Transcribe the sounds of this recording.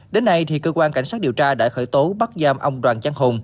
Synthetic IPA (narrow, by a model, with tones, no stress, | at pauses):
ɗe˨˦nːa˧jt̪ʰi˨˩kəː˧kwaː˧nka˧˩jŋ̟sa˦˥t̚ɗi˨˩əwt͡ɕaː˧ɗa̰ː˧˥xəː˧˩jt̪o˨˦ɓa˦˥t̚zaː˧mʔə˧wŋ͡mɗwaː˨˩nt͡ɕa˧ŋɦo˨˩n